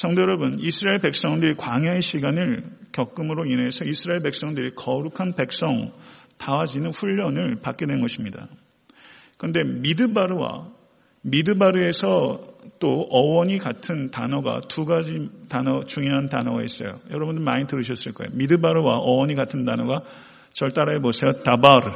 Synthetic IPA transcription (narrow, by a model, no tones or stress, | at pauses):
sʰʌŋdojʌɾʌbɯnisʰɯɾaeɭpe̞k̚s͈ʌŋdɯɾikwaŋjaeɕʰiɡanɯɭkjʌk͈̚ɯmɯɾoine̞sʰʌisʰɯɾaeɭpe̞k̚s͈ʌŋdɯɾikʌɾukʰanpe̞k̚s͈ʌŋtawad͡ʑinɯnɸuʎːʌnɯɭpak͈e̞dwe̞nnɡʌɕʰimɲida̰ | kɯʌnde̞midɯbaɾɯwa̰ | midɯbaɾɯe̞sʰʌt͈oʌwʌɲikatʰɯntanʌɡa̰tuɡad͡ʑitanʌt͡ɕuŋjoɦantanʌɡais͈ʌ̰jo̰jʌɾʌbundɯɭmaɲitɯɾɯɕʰʌs͈ɯɭk͈ʌejomidɯbaɾɯwaʔʌwʌɲiɡatʰɯndanʌɡa | t͡ɕʌɭt͈aɾaɦebosʰe̞jotabaɾɯ